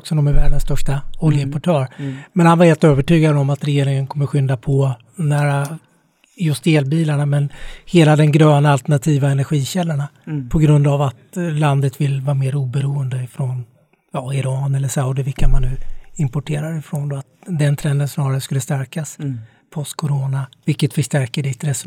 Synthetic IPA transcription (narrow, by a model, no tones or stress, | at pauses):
ksɔd̪ɔmæɾvæːɖənst̪œʂʈaɔljəɪmpɔʈʰøːɾmɛnhanvaɾheːlt̪øːvəʈyːɡad̪ɔmat̪ɾɛjeːɾɪŋənkʰɔmːəɾɧʏnd̪apʰɔ | næːɾa | jɵst̪eːlbiːlaɳamɛnheːlad̪ɛmɡɾøːnaalt̪ɛɳat̪ʰiːvaɛnæɾɧiːɕɛlːaɳapʰɔɡɾɵnd̪avat̪land̪ət̪vɪlvɑːɾmeːɾuːbɛɾuːənd̪əɪfɾɔn | jɑɪɾɑːnɛlːəʂaʊd̪ɪvɪkːamanːʉ̟ːɪmpɔʈʰeːɾaɾɪfɾond̪ɔat̪̚d̪ɛnt̪ʰɾɛnd̪ənsnɑːɾaɾəskɵlːəst̪æɾkas | pʰɔst̪kʰɔɾoːnavɪlkːət̪fəʂʈæɾkəɖɪt̪ɾɛs